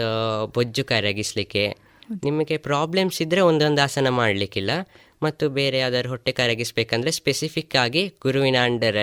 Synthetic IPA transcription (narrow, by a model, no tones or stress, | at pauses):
bʱod͡ʒːukɐɾjɐɡislikːe̞ | nimɐɡe̞pɾaːblemsid̪ɾe̞ond̪o̞nd̪aːsɐnɐmaːɽlikilːɐ | mɐt̪ːube̞ːɾejaːd̪aɾuɦoʈːekɐɾjɐɡisbeːkɐnd̪ɐɾe̞spesipʰikːaːɡiɡ̥uɾuʋinaːɳɖɐɾ